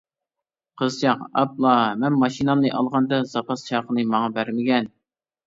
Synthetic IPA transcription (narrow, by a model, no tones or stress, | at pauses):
qʰəzt͡ʃʰɑqɑ̰plˠɑmɛnmɑʃinɑmnɨʔɑlˠʁɑnd̪ɑzɑpɑst͡ʃʰɑːqənɨmɑŋɑbæɾmɪɡʲɛn